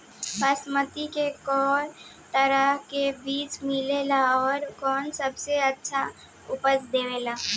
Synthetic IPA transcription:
pəsmət̪ikekɔːɾ | t̪əɾəɦkebiːt͡ʃmɪlelaɔːɾkɔːnsəbseɐtːʃʰa | ʊpəsd̪eːʋeːlaː

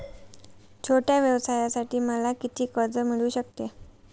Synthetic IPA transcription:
t͡ɕʰoʈjaʋjəʋsajasaʈiːməlakit̪ʰiːkəɾd͡zəmiɭuːɕək̚t̪e

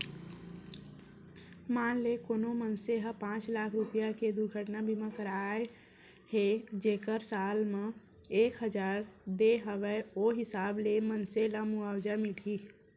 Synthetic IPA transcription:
maːnlekoːnomənseɦəpãːt͡ʃlakʰɾupjaked̪uɾɡʱəʈnabʱimẽkəɾae | ɦed͡ʒeːkəɾsaːlme | eːkɦəd͡ʒaːɾd̪eɦəʋɛoɦɪsaːblemənselamuawd͡ʒamiʈʰi

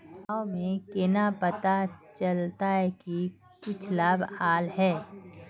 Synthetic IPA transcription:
aomẽkenapɐt̪at͡ʃəlt̪aɦɛki | kʊt͡ʃʰlaːbaːlɦɛː

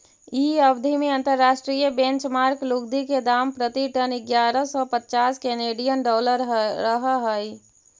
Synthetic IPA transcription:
iəbd̪ʱimeə̃nt̪əɾːaːʃʈɾijəbẽnt͡ʃmaːɾklukd̪iked̪aːmpɾət̪iʈənɪɡjaːɾəsɔpət̪ːt͡ʃaːskeneːɖijənɖɔːləɾɾəɦɦəj

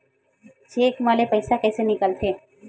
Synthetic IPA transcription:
d͡ʒeːkmaːlepəɪsakɛːsenɪkəlt̪ʰeː

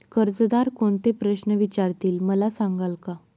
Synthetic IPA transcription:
kəɾd͡zd̪aɾkoɳt̪epɾəɕnəʋit͡ɕaɾt̪iːlməlasãŋɡalka

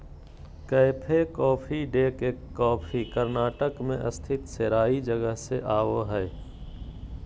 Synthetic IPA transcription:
kəɪpʰekɔːpʰiɖeːkeɔːpʰikəɾnaːʈəkmḛ̃ʔə̰st̪ʰɪt̪seɾaːid͡ʒəɡəɦseʔaːʋoɦɛː

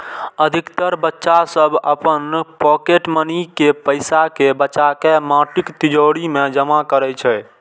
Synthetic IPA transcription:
əd̪ʱikt̪əɾbətːʃasəbʱə̰pənpɔkeʈmənikepəjsakebətːt͡ʃakemãʈikt̪id͡ʒoɽimed͡ʒəmakəɾɛt͡ʃʰɛ

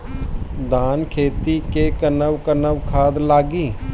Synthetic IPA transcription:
d̪aːnkʰeːt̪ikekənəwkənəwkʰaːd̪laːɡiː

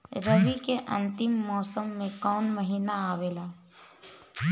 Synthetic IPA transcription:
ɾəʋikeʔə̰̃nt̪ɪmːɔːsəmːẽkɔːnməɦiːnaaːʋeːlaː

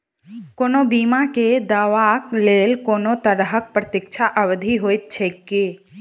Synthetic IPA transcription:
koːnobiːmaked̪aːʋakleːlkoːnot̪əɾɦək̚pɾət̪ɪk̚t͡ʃʰaʔəʋd̪ʱiɦoːɪt̪̚t͡ʃʰeːke

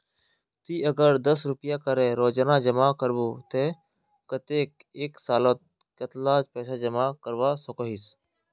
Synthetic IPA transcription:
t̪iːʔəɡəɾd̪əsɾʊpɪjaːkəɾẽːɾoːd͡ʒnaːd͡ʒəmaːkəɾʋoːt̪eː | kət̪eːk̚eːksaːlot̪̚ | kət̪laːd͡ʒpɛːsaːd͡ʒəmaːkəɾʋaːsəkoːɦiːs

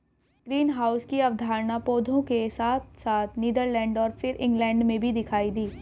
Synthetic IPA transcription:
ɡ̥ɾiːnɦaːʊskiɐʋd̪ʱaːɾnapoːd̪ʱõkesaːt̪̚ʰsaːt̪ʰniːd̪əɾlɛ̃ːɳɖɔːɾfɪɾɪ̰̃ŋɡlɛ̃ːɳɖmẽbʱid̪ɪkʰaːid̪iː

